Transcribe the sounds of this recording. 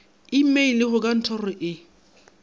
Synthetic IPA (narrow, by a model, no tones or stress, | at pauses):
imeilɪχʊkʼan̩tʰɔrɔʔɪ